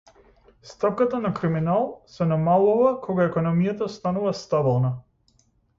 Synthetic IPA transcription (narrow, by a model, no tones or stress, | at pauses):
st̪apkat̪anakɾiminalˠsɛnamalˠuvakʰɔɡaɛkɔnɔmijat̪ast̪anuvast̪abilˠna